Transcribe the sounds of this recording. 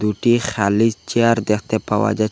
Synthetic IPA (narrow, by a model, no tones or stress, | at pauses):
d̪uʈixalizt͡ʃiaɾd̪ext̪epawa̰d͡ʒa